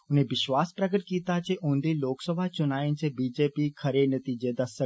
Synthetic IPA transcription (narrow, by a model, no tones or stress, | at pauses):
ʊn̤ẽʋɪʃʋaːspɾəɡəʈkiːt̪at͡ɕeʔũːnd̪iloːksəbʱat͡ɕʊnaːənt͡ɕeːbiːd͡ʑeːpikʰɐɾenɐt̪iːd͡ʑed̪ɐsə